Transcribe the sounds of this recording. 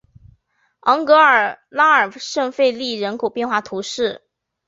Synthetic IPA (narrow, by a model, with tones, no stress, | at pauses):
ɑ˧˥ŋkɤ˧˥ə˞˨˩la˥ə˞˨˩ʂɤ˥˧ŋfe˥˧ɪli˥˩ɻə˧˥nkʰo˨˩ʊpjɛ˥˧nxwa˥˩t̪ʰu˧˥ʂɻ̩˥˩